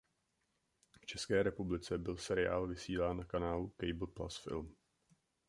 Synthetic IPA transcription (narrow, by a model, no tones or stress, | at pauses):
ft͡ʃɛskɛːɾɛpublɪt͡sɛbɪlsɛɾɪa̰ːlvɪsiːlaːnːakanaːlukɛjbl̩pla̰sfɪ̰lm